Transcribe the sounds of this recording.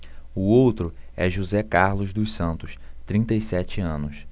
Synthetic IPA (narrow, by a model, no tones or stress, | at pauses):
ʊowt̪ɾʊɛʒuzɛkaɾlʊzd̪ʊsɐ̃nt̪ʊst̪ɾĩnt̪ɐisɛt͡ʃɪɐ̃nʊs